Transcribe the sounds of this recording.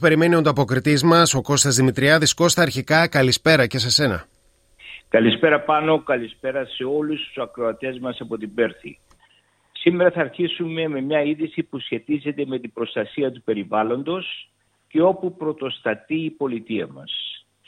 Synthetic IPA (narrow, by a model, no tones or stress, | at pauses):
pe̞ɾime̞nio̞nd̪oɐpokɾit̪izmɐso̞ko̞st̪ɐzðimit̪ɾiɐðisko̞st̪eːɾçikɐkɐlispe̞ɾɐcese̞se̞nɐ̰ | kɐlispe̞ɾɐpɐno̞kɐlispe̞ɾɐse̞o̞lust̪u̥sɐkɾo̞ɐt̪e̞zmɐsɐpo̞t̪ibe̞ɾθḭ | simeɾɐθɐːɾçisume̞me̞mɲɐiðisipusçe̞t̪ize̞t̪e̞me̞t̪ibɾo̞st̪ɐsiɐt̪upe̞ɾivɐlo̞nd̪o̞s | ce̞o̞pupɾo̞t̪o̞st̪ɐt̪iːpo̞lit̪iɐ̰mɐ̰s